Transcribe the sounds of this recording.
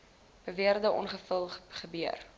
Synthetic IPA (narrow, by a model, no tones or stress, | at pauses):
b̥əviərdəʔɔnχəfəlˠχəbyər